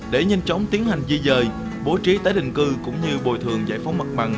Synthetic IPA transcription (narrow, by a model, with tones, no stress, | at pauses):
ɗe˧˩ɲə˧jŋ̟t͡ɕa˨˦wŋ͡mt̪i˨˦ənha˨˩jŋ̟zi˧zəː˨˩j | ɓo˨˦t͡ɕi˨˦t̪aː˨˦jɗï˧˨ŋ̟kɨ˧kʊ̰˧˥ŋ͡mɲɨ˧ɓo˨˩jt̪ʰɨ˨˩əŋza̰ː˧˩jfa˨˦wŋ͡mmə˨˩t̚ɓa˨˩ŋ